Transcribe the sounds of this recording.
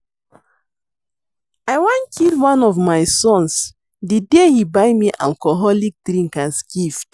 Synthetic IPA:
aɪwãnkʰilwãnɔvmaɪsɔ̃ns | didehibaɪmiʔa̰lkɔɦɔlik̚dɾĩŋkãnskift

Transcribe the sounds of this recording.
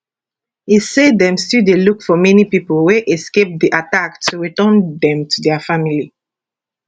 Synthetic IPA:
isedɛ̃mstidelukfɔmɛnipipəlweʔɛskep̚d̪iʔataktʰuɹitɜ̃ndɛ̃mtʰudɛfamili

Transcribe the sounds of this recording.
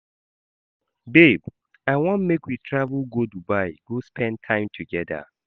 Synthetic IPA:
beb | aɪwɔ̃nmekwitʰɹavəlˠɡodubaɪɡ̥ospʰɛ̃nd̚tʰãɪ̃mtʰuɡɛda̰

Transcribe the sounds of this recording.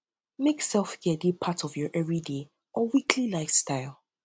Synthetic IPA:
meksɛlˠfɡ̥ɛdipʰatʰɔvjɔʔɛvɹide | ʔɔwikʰlilaɪfstʰaɪlˠ

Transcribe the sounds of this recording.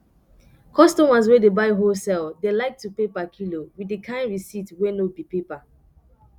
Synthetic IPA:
kʰɔstɔmas̬wɛdebaɪɦosɛldelaɪk̚tːupepakʰilowidekʰãɪ̃nɹisitwɛnobipepa

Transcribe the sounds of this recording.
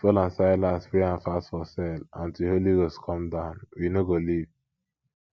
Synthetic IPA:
fɔlãnsaɪlãspɹeãnfastfɔsɛlãntiholiɡoskʰɔ̃mdãʊ̃nwinoɡoliv

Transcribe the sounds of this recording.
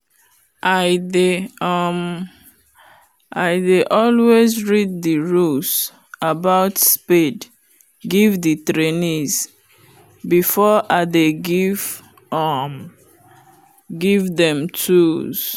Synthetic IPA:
ʔaɪdeʌm | ʔaɪdeʔɔlwezɹid̚ðiɹus | abaʊtspid | ɡivditɹeniz | bifɔʔadeɡiv | m | ɡivðɛ̃mtʰuz̥

